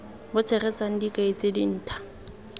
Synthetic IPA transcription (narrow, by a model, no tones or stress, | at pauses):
bʊt͡sʰɛrɛt͡sʼaŋ̩dikʼaet͡sʼedin̩ːtʰḁ